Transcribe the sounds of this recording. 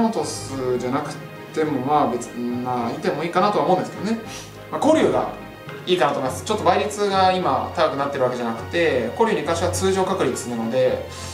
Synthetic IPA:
ot̪o̞sɨd͡ʑanakɯ̟̥t̪e̞mo̞maːbe̞t͡smait̪e̞mo̞iːkanat̪o̞aomo̞ɯ̃nd̪eske̞d̪o̞ne̞ | mako̞ɾʲɯ̟ːɡa̰ | iːkanat̪omeimasɨ̥t͡ɕo̞t̪ːo̞baiɾʲit͡sɨɡaima̰t̪akakɯ̟nat̪ːe̞ɾɯ̟βake̞anakɯ̟̥t̪e̞ko̞ɾʲɯːɲ̟ikãɰ̃ɕiβat͡sɨːʑo̞ːkakɯ̟ɾʲit͡sɨ̥sɨɾano̞d̪e̞

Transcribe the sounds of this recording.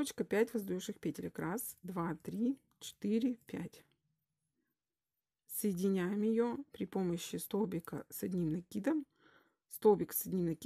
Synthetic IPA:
t͡ɕkəpʲætʲvɐzd̪juʂɨxpʲetʲɪlʲɪkrasd̪vat̪ɾʲi | t͡ɕɪ̥t̪ɨɾʲɪpʲætʲ | səjɪdʲɪnʲæjɪmjɪjopɾʲɪpo̞məɕːɪst̪obʲɪkə̰sɐdʲnʲimnɐkʲid̪əm | st̪obʲɪksɐdʲnʲimnɐkʲ

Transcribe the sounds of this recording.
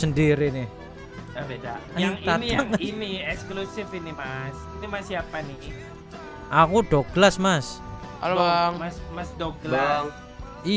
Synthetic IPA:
səndiɾinɪh | abedajaŋit̪anijaŋiniɛksklusɪfinimasit̪imasiapani | ʔakud̥ɔɡ̥lasmas | aŋmasmasdɔɡla | i

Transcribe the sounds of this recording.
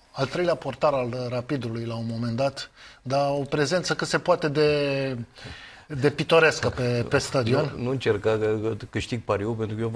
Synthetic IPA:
alt̪ɾe̞jleapo̞rt̪aɾalrapid̪ulujlaunmo̞me̞nd̪at̪d̪ao̞pɾe̞ze̞nt̪səkɨt̪se̞poat̪e̞d̪e̞ | d̪e̞pit̪o̞ɾeskəpepe̞st̪ad̪io̞nnuɨnt͡ʃerkaəkɨʃt̪iɡ̚paɾiopent̪ɾukəo

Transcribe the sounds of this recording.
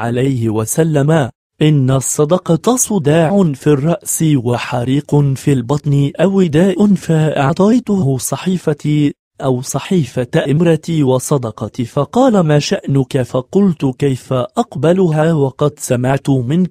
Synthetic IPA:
ʕalajhɪwasalːama | ʔɪnːasˤːɑd̪ɑqɑt̪ɑsˤʊd̪aːʕʕʊnfirˤːɑʔsɪwaħaɾiːqʊfiːlbɑt̪ˤnɪʔawɪd̪aːʔʊnfaʔaʕt̪ˤɑjt̪ʊhɦʊsˤɑħiːfa | ʔawsˤɑħiːfaʔɪmɾˤɑt̪iwɑsˤɑd̪ɑqɑt̪fɑqɑːlamaːʃaʔnʊkafɑqʊlt̪kajfaʔɑqbalʊɦaːwɑqɑd̪samaʕt̪ʊmɪn

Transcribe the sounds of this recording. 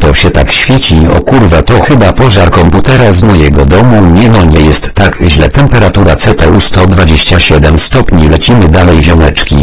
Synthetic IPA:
t̪ɔɕɛt̪a̰kɕfʲjet͡ɕiɔ̰kuɾvat̪ɔxɘbapɔʐaɾkɔmput̪ɛɾaznajɛɡɔd̪ɔmuɲɛd̪ɔɲɛjɛst̪ːaɡʑlɛ̰t̪ɛmpɛɾat̪uɾat̪sɛt̪ɛust̪ɔd̪vad͡ʑeɕt͡ɕaɕɛd̪ɛmst̪ɔpɲilɛt͡ɕimɘd̪alɛjvʲjɔnɛt͡ʂkʲi

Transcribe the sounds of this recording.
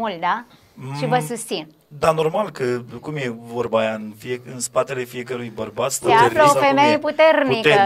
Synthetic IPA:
ult̪̚d̪a | ʃivəsust̪sin | d̪anormalkəkumjevorbajaɨnfieɨnspat̪ele̞fije̞kəɾujbərbat̪st̪eaeɾfləofemejeput̪ernikə

